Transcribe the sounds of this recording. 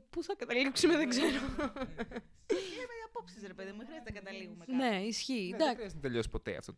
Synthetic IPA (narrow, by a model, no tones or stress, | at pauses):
puθɐkɐt̪ɐliksumeðeɡzeɾo | iɐmeɐpopsisɾepe̞ðiðmexɾiɐzt̪enɐkɐt̪ɐliɣumeneisçid̪ɐzt̪eʎosi̥po̞t̪ḛɐ̰ft̪ot̪